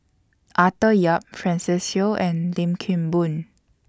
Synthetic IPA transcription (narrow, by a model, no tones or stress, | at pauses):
ʔatəjap̚fɹɛ̃nsisoʔɛ̃nlĩmkʰĩmbũn